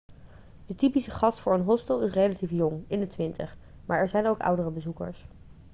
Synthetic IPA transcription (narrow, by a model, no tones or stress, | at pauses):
d̥ətipisəχɑstfʊːɹənɦɔstəlˠɪsrejlatifjɔŋɪndətʋɪntə̰χ | maːɹɛɹzɛjnowkʌ̰wdərəbəzukə̰ɹs